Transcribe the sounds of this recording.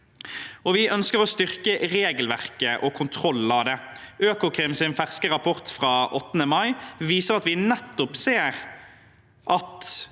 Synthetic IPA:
ɔʋɪʔœnskəʁɔst̪ʏʁkəʁeːɡəlʋæʁkəʔɔkʰʊnt̪ʰʁɔlːɑʋd̪ɛ | øːkʊkʰʁɪmsɪnfæʁskəʁɑpʰɔʁt̪fʁɑːʔɔt̪ːənəmɑɪʋiːsəʁɑt̪ʋɪnɛt̪ːʊpseːɾ | ʔɑt̪

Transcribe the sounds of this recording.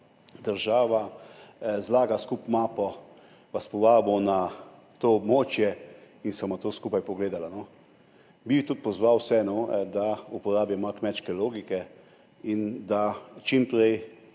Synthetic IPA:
d̪əɾʒaːʋa | zlaːɡaskupmaːpɔ | ʋaspɔʋaːbɔna | t̪oːbmoːt͡ʃjɛ | insamat̪oːskuːpajpɔɡleːd̪alano | bit̪ut̪̚pɔzʋawsɛnɔd̪aupɔɾaːbjamaɾkmɛt͡ʃkɛloːɡikɛ | ind̪at͡ʃimpɾɛj

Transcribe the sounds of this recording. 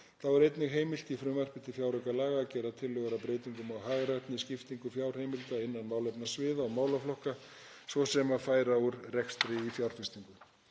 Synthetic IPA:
θawaɾejt̪nɪɣɦeːjmɪl̥t̪ifɾʏmar̥pɪnt̪ɪfjawɾʏkalaːɣaːcɛːɾat̪ʰɪlːœɣaɾapɾejt̪iŋkʏmawɦaːɣɾat̪nɪscɪft̪iŋkʏfjawr̥hejmɪlt̪aɪnːanmaːwlɛpnasvɪːðaɔmaːwlaflɔhka | svɔsɛmaðfaːjɾaʏɾrɛkst̪ɾɪifjawr̥fɪst̪iŋkʏ

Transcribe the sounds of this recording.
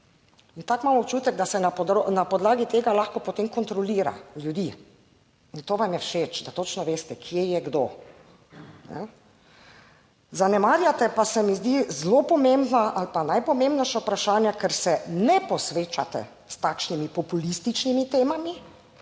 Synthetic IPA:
int̪akmaːmɔpt͡ʃuːt̪ɛɡ̚d̪asɛnapɔd̪ɾonapɔd̪laːɡit̪eːɡalaxkɔpɔt̪emkɔnt̪ɾɔliːɾa̰ljud̪i | int̪oːʋamjɛwʃeːt͡ʃd̪at̪ot͡ʃnɔʋeːst̪ɛkʰjɛjɛɡd̪o | nɛ̰ | zanɛmaːɾjat̪ɛpasɛmizd̪izlopɔmembnaʔalpanajpɔmembnɛjʃaupɾaʃaːnjakɛɾsɛnɛpɔsʋeːt͡ʃat̪ɛ̰ | st̪akʃnimipɔpulist̪it͡ʃnimit̪eːmami

